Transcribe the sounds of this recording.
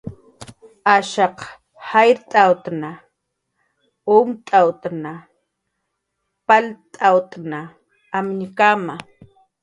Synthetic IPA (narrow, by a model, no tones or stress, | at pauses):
aʃɑq | hajɾt̪ʼawt̪na | ʊmt̪ʼawt̪na | palt̪ʼawt̪ʼnaː | mɲkama